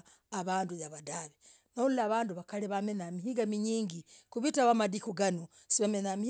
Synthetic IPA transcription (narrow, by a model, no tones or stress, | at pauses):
aβaːndujaβadaβe | nollaːβaːnduβakaleβamenamihiɡamiɲiːŋɡikuβitaβamadikuɡano | siβamenami